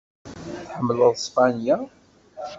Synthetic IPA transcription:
θħəmːələðˤspanja

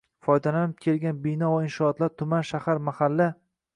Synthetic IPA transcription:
fɒjd̪alanɪp̚kʲʰe̞lɡʲanbɪnɒvaɪnʃɒːt̪laɾt̪ʰʊmanʃahaɾmahalːa

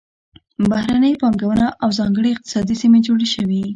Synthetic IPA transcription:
bahɾanəjpɑŋɡawənaʔawzɑŋɡəɽeɪq̚t̪ɪ̥sɑd̪isimed͡ʒoɽeʃəwi

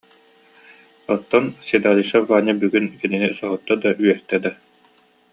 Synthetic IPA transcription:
ɔt̪ːɔnsid̪aːliʃavaːnʲabyɡynkɛninisɔɦɔt̪ːad̪aʔyœɾt̪ɛd̪a

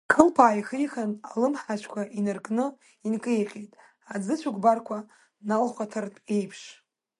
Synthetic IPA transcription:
kʰɨlpʰaːjχəjχanalɨmħaʃʷʰkʷʰaʔinɨrkʼnɨ | inkʼɨjqʲʼejtʼ | ad͡zɨt͡ɕʷʰuɡʷʼbarkʷʰa | nalχatʰɨrtʼejpʰʂ

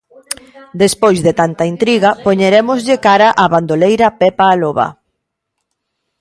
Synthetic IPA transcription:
d̪espojzðet̪ant̪ɐint̪ɾiɣɐpoɲeɾemʊzʎɪkaɾaʔaβand̪olejɾɐpɛpaːloβa̰

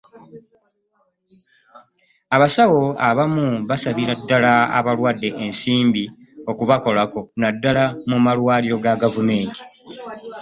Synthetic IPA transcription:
aβasawo̞aβamuβasaβiɾadːalaa̰βalwadːe̞ʔensiːmbi | o̞kuβako̞lako̞nadːalamumalwaːliɾo̞ɡaɡavume̞ːnti̥

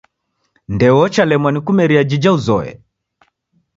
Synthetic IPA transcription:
ndɛwɔt͡ʃalɛmwanikumɛɾiad͡ʒid͡ʒauzɔɛ̰

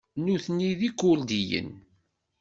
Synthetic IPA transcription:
nuθniðikːʊld̪ijə̰n

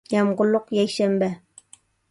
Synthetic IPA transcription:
jɑmɢoloqjajʃambæ

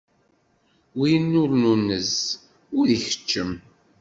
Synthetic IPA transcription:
winːʊɾnunːəz | ʊðiçə̥t͡ʃːəm

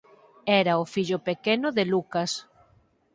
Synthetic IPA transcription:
ɛɾɐʊfiʎʊpekenʊðelukɐs

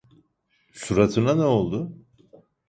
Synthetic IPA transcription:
suɾat̪ʰɯnanɛo̞lˠd̪ʊ

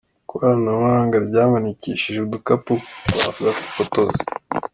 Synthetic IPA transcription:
koaɾanawaːŋɡaɾɟaːmaniciːʃiʒedukapuwa̰fuzaku̥fotozi̥

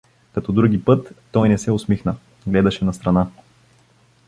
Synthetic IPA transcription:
kɐt̪ɔd̪ɾuɡʲipɤt̪ːɔjnɛsɛʊsmixnə | ɡlɛd̪ɐʃɛnɐst̪ɾɐna

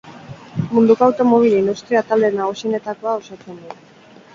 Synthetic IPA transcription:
mund̪ukawt̪o̞moβ̞ilinust̪ɾiat̪ald̪e̞naɣusiene̞t̪ako̞ao̞sat͡se̞nd̪u

